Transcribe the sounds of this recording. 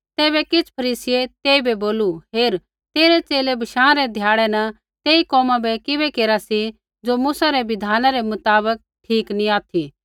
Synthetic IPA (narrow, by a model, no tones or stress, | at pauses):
t̪ɛːbɛkɪt͡sʰpʰɐɾiːsɪet̪eːibɛboːluɦeːɾ | t̪eːɾɛt͡seːlebʱɐʃãːɾɛd̪ʱjaːɽɛnɐ | t̪eːikɔːmãbɛkɪβɛkeːɾasi | d͡ʒomuːsaɾɛʋɪd̪ʱaːnãɾɛmʊt̪aːbək̚ʈʰiːknĩaːt̪ʰi